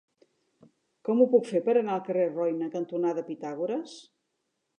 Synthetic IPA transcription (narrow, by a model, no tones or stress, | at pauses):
kɔmupukfepəɾənaəlˠkərerɔjnəkənt̪unaðəpit̪aɣuɾəs